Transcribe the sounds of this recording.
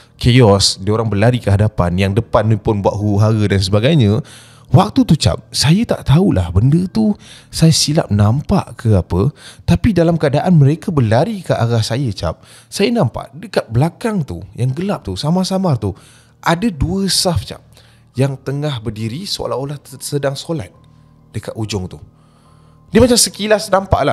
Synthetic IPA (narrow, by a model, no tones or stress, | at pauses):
kʰeɔsdioɾaŋbəlaɾikəɦadapanjaŋdəpanːũpʊnbua̰ʔ̪̚ɦuuɦaɡədans̬əbaɡajɲə̃ | wak̚t̪ut̪ut͡ʃa̰p̚sajət̪a̰ʔt̪aulʔa̰hbəndət̪usajəsila̰p̚nampa̰ʔkʰəapət̪apidalamkəadaʔanməɾekabəlaɾikaʔaɡahsajət͡ʃap̚ | sajənampa̰ʔdəkat̪̚bəlakaŋt̪ṵjaŋɡəlap̚t̪usamasamart̪u | ʔadəduəsaft͡ʃa̰p̚ | jaŋt̪əŋahbərdiɾisəo̰laolahsədaŋsola̰t̪̚ | d̥əkat̪ud͡ʒʊŋt̪u | dimat͡ʃamsəkilasnampa̰ʔla